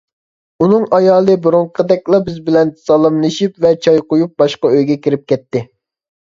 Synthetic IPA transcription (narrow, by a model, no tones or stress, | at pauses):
unɨŋɑjɑːlˠɨbuɾuɴqʰəd̪ɛkʲlˠɑbɪzbɪlɛnsɑlˠɨmlˠɨʃipvɛt͡ʃʰɑjqojup̚bɑʃqɑøjɡʲɛkʲiɾɪp̚kʲɛt̪ːɪ